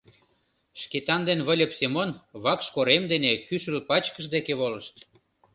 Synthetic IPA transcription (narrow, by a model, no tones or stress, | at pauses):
ʃket̪ɑnd̪enβə̆lʲə̆psemonβɑkʃkoɾemd̪enekyʃəlpɑt͡ɕkə̆ʃd̪ekeβolə̆ʃt̪